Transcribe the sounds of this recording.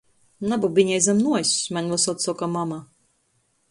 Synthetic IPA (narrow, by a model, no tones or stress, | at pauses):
nabubiɲɛjzamnuɔjsʲmanlasɔt̪sɔkamama